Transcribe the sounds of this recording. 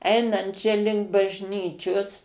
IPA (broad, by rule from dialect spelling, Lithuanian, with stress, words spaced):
ˈɛɪnɐnt t͡ʃʲɛ ˈlʲɪŋk bɐʒʲˈnʲiːt͡ʃʲoːs